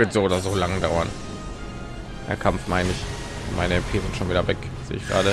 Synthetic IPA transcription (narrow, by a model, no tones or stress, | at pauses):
vɪtz̥oːoːdɐzoːlaŋdaʊɐn | hɛ̰ɐkʰamfmaɪnɪç | maɪnəɛmpʰeːzɪntʃoːnviːdɐvɛk | zḛːəɪçɡ̥ʁa̰ːɾə